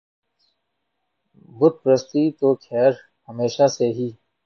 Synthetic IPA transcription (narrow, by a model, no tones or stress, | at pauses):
bʊd̪̚pɾəst̪it̪oːkʰɛːɾ | həmeːʃaseɦiː